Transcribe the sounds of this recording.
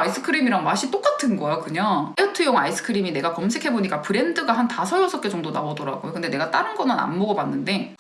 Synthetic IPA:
ais͈ʰɯ̥kʰɯɾimiɾaŋmaɕ͈ʰit͈ok͈atʰɯnɡʌjokɯɲaʌtʰɯjoŋais͈ʰɯ̥kʰɯɾimine̞ɡakʌmsʰe̞kʰe̞boɲik͈apɯɾe̞ndɯɡaɦantasʰʌjʌsʰʌp̚k͈e̞t͡ɕʌŋdonaodʌɾa̰ɡojokɯndene̞ɡat͈aɾɯnɡʌnɯna̰nmoɡʌbanːɯnde̞

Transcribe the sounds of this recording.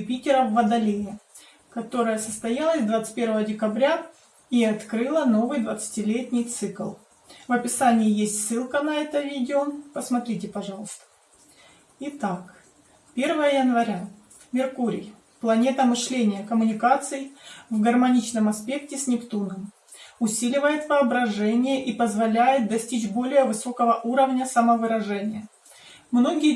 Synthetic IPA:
pʲitʲɪɾəvːəd̪ɐlʲejɪ | kɐt̪o̞ɾəjəsəst̪ɐjalˠəsʲd̪vat̪sɨ̥tʲpʲe̞ɾvəədʲɪkɐbɾʲa | iɐt̪kɾɨlˠəno̞vɨjd̪vət̪sɨ̥tʲɪlʲetʲnʲɪjt̪sɨklˠ | vəpʲɪsanʲɪːjesʲtʲsːɨlˠkənɐɛt̪əvʲidʲɪopəsmɐt̪ɾʲitʲɪpɐʐɑlˠəst̪ə̥ | ɪt̪ak | pʲe̞rvəjəjənvɐɾʲa | mʲɪrkuɾʲɪ̰j | plˠɐnʲe̞t̪əmɨʂlʲenʲɪjəkəmʊnʲɪkat̪sɨjɪvɡərmɐnʲit͡ɕnəmɐspʲe̞k̚tʲɪsʲnʲɪkt̪unɡəm | ʊsʲilʲɪvəjɪt̪vɨɐbɾɐʐɛnʲɪjəʔipəzvɐlʲæjɪt̪̚d̪ɐsʲtʲit͡ɕbo̞lʲɪjəvɨso̞kəvəʔuɾəvnʲəsɐməvɨɾɐʐɛnʲɪjə | mno̞ɡʲɪjə

